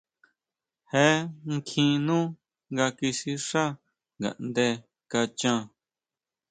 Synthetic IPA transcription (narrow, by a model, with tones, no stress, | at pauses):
he˦ŋ˦kʰĩ˧nũː˦ | ŋɡa˧ki˧si˦ʂa˦ | ŋɡa̰˨ʔnd̪e˧ | ka˧t͡ʃã˧